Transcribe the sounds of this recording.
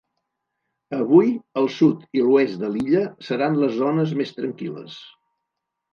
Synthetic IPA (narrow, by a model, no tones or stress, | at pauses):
əβ̞ujəlˠsut̪iluesd̪əliʎəsəɾanləzːonəzmest̪ɾəŋkilə̰s